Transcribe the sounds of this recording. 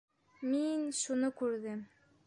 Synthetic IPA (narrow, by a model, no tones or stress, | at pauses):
minʃunɤkʉɾðɘm